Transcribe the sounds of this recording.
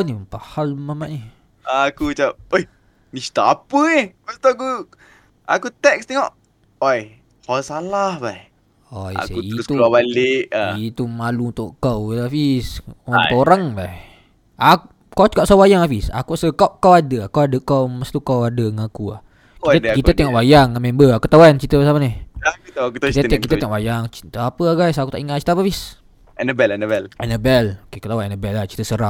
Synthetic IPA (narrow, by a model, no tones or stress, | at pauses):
nipahalmamaʔni | akut͡ʃap̚oj | mist̪aapəehmast̪uak̬u | akut̪ɛk̚st̪eŋɔʔ | oj | kasalahbaj | oja̰sauit̪uabaleʔait̪umaluunt̪ʊʔkawafisoɾaŋbah | a | kawt͡ʃu̥kaʔsawajaŋafisa̰kuʔsəkawʔkawadəakawadəkawməst̪ukawadəŋakua̰h | kidkit̪ət̪eŋɔʔwajaŋːamɛmbəakət̪awant͡ʃit̪əəsamanihakut̪akut̪kit̪ət̪eŋɔʔwajaŋt͡ʃt̪apəaɡajsakut̪aʔiŋaʔt͡ʃi̥t̪əap̬afis | ɛnəbɛlɛnəbɛlɛnəbɛlokekət̪awanɛnəbɛlat͡ʃi̥t̪əsəɾaʔ̚